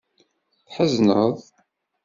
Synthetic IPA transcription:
θħəznə̰ðˤ

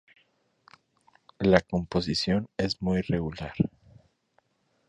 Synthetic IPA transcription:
lako̞mpo̞sisjo̞ne̞zmujre̞ɣulaɾ

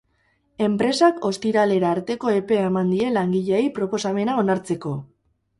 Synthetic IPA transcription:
e̞mpɾe̞sako̞st̪iɾale̞ɾaːɾt̪e̞ko̞epe̞emand̪ie̞laŋɡiʎejpɾo̞po̞same̞nao̞naɾt͡se̞ko̞

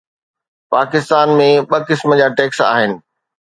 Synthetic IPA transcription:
paːkɪst̪aːnmẽɓɐkɪsməd͡ʑaːʈeːksa̰ːɦɪnɪ̆

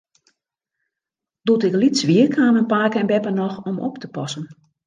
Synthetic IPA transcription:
d̥utɪklitsʋiərkʰaːmənpaːkɛnbɛpənɔxɔmɔ̰ptəpɔsən

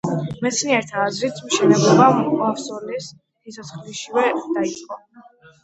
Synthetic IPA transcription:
mɛt̪sʰniɛɾt̪ʰaːzɾit̪ʰmʃɛnɛblˠɔbaafsɔlis | isʰɔt̪sʰχliʃiwɛd̪̥ait̪sʼqʼɔ

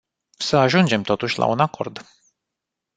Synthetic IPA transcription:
səaʒund͡ʒe̞mt̪o̞t̪uʃʲla̰unako̞̰rd̪

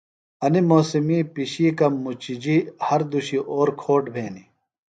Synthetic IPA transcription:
ɐnimoːsimiːpiɕiːkɐmːut͡ɕid͡ʑihɐɾd̪uɕiʔoːɾkʰoːʈbʱeːni

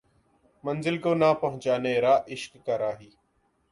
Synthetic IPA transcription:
mənzɪlkoːnaːpəɦʊ̃t͡ʃaːneːɾaːʔɪʃkːaːɾaːɦiː

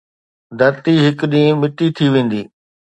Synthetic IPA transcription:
d̪ɐɾt̪iɦɪkɗĩːmɪʈit̪ʰiʋẽːn̆d̪iː

